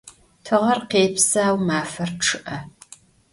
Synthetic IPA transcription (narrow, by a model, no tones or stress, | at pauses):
tʰɨʁɐrqeːpsaːwmaːfɐrʈ͡ʂʰɨʔɐ